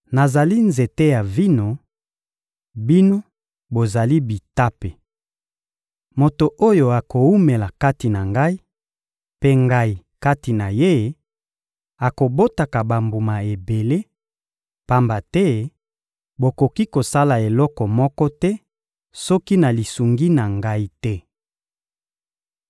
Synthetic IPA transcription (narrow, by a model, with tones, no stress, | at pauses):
na˨za˨li˦nze˨te˦ja˨vi˦no˨ | bi˦no˦ | bo˨za˨li˦bi˨ta˦pe˨ | mo˨to˨ʔo˦jo˨a˨ko˨u˦me˨la˨ka˦ti˨na˨ŋɡa˦i˦ | pe˦ŋɡa˦i˨ka˦ti˨na˨je˦ | a˨ko˨bo˦ta˨ka˨ba˨mbu˨ma˨e˨be˨le˦ | pa˦mba˨tɛ˦ | bo˨ko˨ki˦ko˨sa˦la˨e˨lɔ˦kɔ˨mɔ˦kɔ˦tɛ˦ | sɔ˦ki˦na˨li˨su˨ŋɡi˦na˨ŋɡa˦i˦tɛ˦